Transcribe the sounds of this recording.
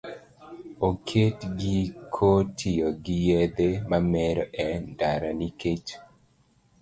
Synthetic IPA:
okʰetɡikʰotʰijoɡijed̪emamɛɾɔʔɛndaɾaniket͡ʃ

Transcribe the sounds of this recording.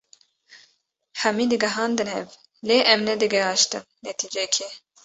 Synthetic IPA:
hɛmiːd̪ɨɡɛɦɑːnd̪ɨnɦɛv | leːʔɛmnɛd̪ɨɡɛɦɑːʃt̪ɨnnɛt̪ʰiːd͡ʒɛkʰe

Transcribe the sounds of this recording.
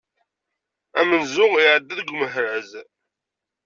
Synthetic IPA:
æmənzʊʁɪʕəd̪ːæðɡʷməɦɾəz

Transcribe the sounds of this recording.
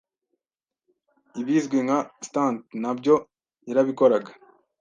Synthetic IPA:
iβizɡweŋɡastantnabɟo | iɾaβikoɾaɡḁ

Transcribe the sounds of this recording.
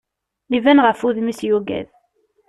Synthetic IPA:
livænʁəfuðmisjuɡæ̰ð

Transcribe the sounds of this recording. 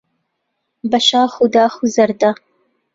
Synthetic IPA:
bɐʃaːχʊd̪aːχuzɐrd̪a

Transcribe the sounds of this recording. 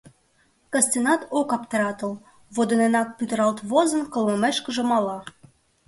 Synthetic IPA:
kɑsʲt̪ʲenɑt̪okɑpt̪əɾɑt̪ə̆l | βod̪ənenɑk̚pyt̪ə̆ɾɑlt̪βozə̆nkə̆lmə̆meʃkə̆ʒə̆mɑlɑ

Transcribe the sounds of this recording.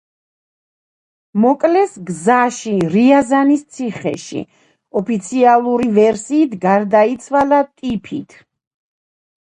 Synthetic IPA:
mɔkʼlɛsɡzaʃiɾiazanist̪sʰiχɛ̰ʃḭ | ɔpʰit̪sʰialˠuɾivɛɾsiːt̪ʰɡaɾd̪ait̪sʰwalat̪ʼipʰit̪ʰ

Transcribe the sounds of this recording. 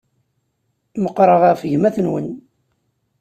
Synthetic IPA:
məqɾˤəʁæʁfəʝmæθənwə̰n

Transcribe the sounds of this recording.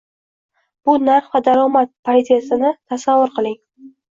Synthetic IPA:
b̥ʊnaɾχvad̪aɾɒmat̪̚pʰaɾt̪jasɪnɪt̪ʰasavːʊɾqʰɨlˠɪŋ

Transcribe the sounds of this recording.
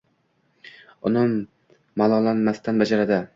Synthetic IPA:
ʊnɪmː | alˠɒlanmast̪anbad͡ʒaɾad̪ɪ

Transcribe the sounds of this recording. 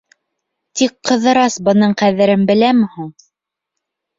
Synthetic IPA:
t̪ikqːɤ̆ðɤ̆ɾɑsbɤ̆nɤɴqæðɘ̆ɾɘnbɘ̆læmɘ̆huɴ

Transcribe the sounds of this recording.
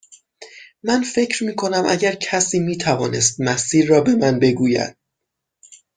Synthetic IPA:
mænfe̞cʰɾmiːkʰo̞næmʔæ̰ɟæɾcʰæsiːmiːt̪ʰævɒːne̞st̪̚mæsiːɾːɒːbe̞mænbe̞ɡuːjæ̰d̪̥̚

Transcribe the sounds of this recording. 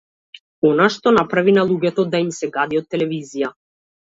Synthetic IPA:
ɔnaʃt̪ɔnapɾavinalˠuɡɛt̪ɔd̪aimsɛɡad̪iɔt̪ːɛlɛvizija

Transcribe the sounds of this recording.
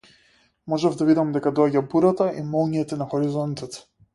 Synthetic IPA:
mɔʒɛvd̪avid̪amd̪ɛkad̪ɔaɟabuɾat̪aʔimɔlˠɲɛt̪ɛnaxɔɾizɔnt̪ɔt̪

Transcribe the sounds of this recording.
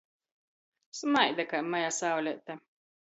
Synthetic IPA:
smajd̪akamajasawlʲɛʔt̪ːa

